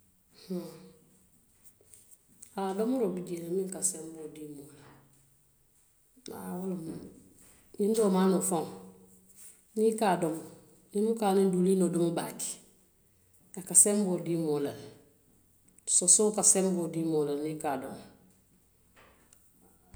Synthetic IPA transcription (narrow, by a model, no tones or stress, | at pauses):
h̩ | adomuɾobiɟenamĩŋkasembodimola | a̰wolom | nindomaːnofoŋ | nikadom | nimukanindulinodomubaki̥ | akasembodimolal | tsosokasembodimolalnikado̰m